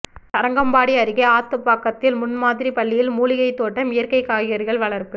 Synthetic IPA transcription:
t̪ɐɾɐŋɡɐmbaːɽiɐɾɯɣɐaːt̪ːɯpːaːkːɐt̪ːɪlmʊnmaːðɪɾipɐɭːɪjɪlmuːlɪɣɐɪt̪ːoːʈːɐmɪjɐɾkɐɪkːaːɣɪjɐɾɣɐɭʋɐɭɐɾpɯ

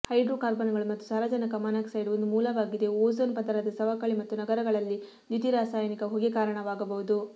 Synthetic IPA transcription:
hɐjɖɾoːkaːɾbɐnɐɡɐɭumɐt̪ːusaːɾɐd͡ʒɐnɐkɐmɐnɐksɐjɖuond̪umuːlɐʋaːɡid̪e̞oːzonpɐd̪ɐɾɐd̪ɐsɐʋɐkɐɭimɐt̪ːunɐɡɐɾɐɡɐɭɐlːi | d̪it̪iɾaːsaːjɐnikɐɦoɡekaːɾɐɳɐʋaːɡɐbɐɦud̪u

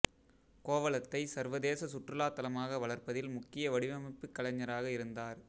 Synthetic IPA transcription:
koːʋɐlɐt̪ːɐɪsɐɾʋɐðeːsɐsʊʈrɯlaːt̪ːɐlɐmaːɣɐʋɐɭɐɾpɐðɪlmʊkːɪjɐʋɐɽɪʋɐmɐpːɯkːɐɭɐɲːɐɾaːɣɐɪɾɯnd̪aːɾ

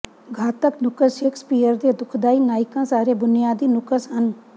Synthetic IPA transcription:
ɡʱaːt̪əknʊkəsekspiːjəɾd̪eːd̪ʊkʰd̪aːiːnaːɪkãːsaːɾeːbʊnijaːd̪iːnʊkəsɦən

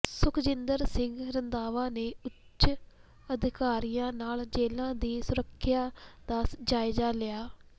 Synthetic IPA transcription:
sʊkʰd͡ʒɪnd̪əɾsɪŋɡɾənd̪aːʋãːneːʊt͡ʃ | əd̪ɪkaːɾijãːnaːld͡ʒeːlãːd̪iːsʊɾəkʰːjaːd̪aːsd͡ʒaːɪd͡ʒaːlɪjaː

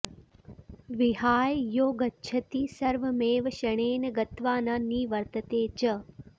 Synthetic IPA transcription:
ʋiɦaːjjoːɡɐtːt͡ʃʰɐt̪iːsɐɾʋɐmeːʋɐʃɐɳ̃eːnɐɡɐt̪ʋaːnɐnːiːʋɐɾt̪ɐt̪eːt͡ʃə

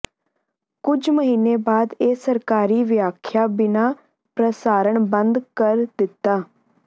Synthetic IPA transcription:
kʊd͡ʒməɦiːneːbaːd̪eːsəɾkaːɾiːʋjaːkʰjaːbɪnaː | pɾəsaːɾəɳbə̃nd̪kəɾd̪ɪt̪ːaː

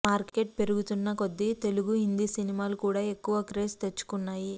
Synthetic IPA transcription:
maːɾke̞ʈ̚pe̞ɾuɡut̪unːɐko̞d̪ːit̪e̞luɡuɦind̪isinimaːlukuːɽaːe̞kːuʋɐkɾeːst̪et͡ʃːu̥kunːaːji

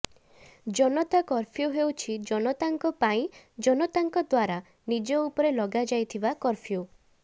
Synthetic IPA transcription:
d͡ʒɔnɔt̪akɔɾpʰjuɦewt͡ʃʰid͡ʒɔnɔt̪aŋkɔpaĩd͡ʒɔnɔt̪aŋkɔd̪waɾa | nid͡ʒɔupɔɾelɔɡad͡ʒajt̪ʰibakɔɾpʰiju

